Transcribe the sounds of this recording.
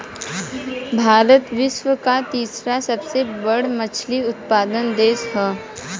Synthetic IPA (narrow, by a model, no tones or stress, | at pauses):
bʱaːɾət̪ʋɪʃʋəkat̪iːsɾasɐbsebəɽmɐt͡ʃʰliʊt̪̚paːd̪ənd̪eːsɦɛː